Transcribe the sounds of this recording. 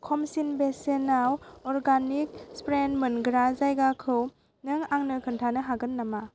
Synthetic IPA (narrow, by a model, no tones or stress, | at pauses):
kʰɔmsinbesenawɔɾɡanik̚spɾenmɯnɡɾazajɡakʰɯw | nɯŋaŋnɯkʰɯntʰanɯɦaɡɯnːama